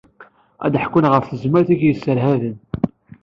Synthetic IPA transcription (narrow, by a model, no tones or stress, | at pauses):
æ̰d̪ħkːənʁəfθəzmæɾθiʝjəsːəɾhæðən